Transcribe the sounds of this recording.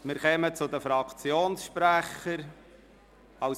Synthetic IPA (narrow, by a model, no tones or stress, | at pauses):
mɪːɾkɛmət͡sʊd̪əfɾɑkt͡sjoːnsʃpɾæχəɾ | ɑw